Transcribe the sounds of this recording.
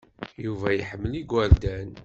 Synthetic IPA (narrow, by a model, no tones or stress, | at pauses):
juvæjəħəmːəliɡʷwæɾd̪æn